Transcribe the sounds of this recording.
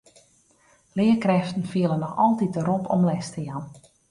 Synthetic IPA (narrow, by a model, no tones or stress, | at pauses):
lɪəkrɛftn̩fiələnɔxɔlˠtit̚dəɾopʰɔmlɛstəjan